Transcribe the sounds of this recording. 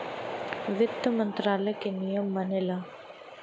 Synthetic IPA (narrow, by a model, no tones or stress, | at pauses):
ʋit̪ːɐmɐnt̪ɾaːlɐkenijɐmːɐnela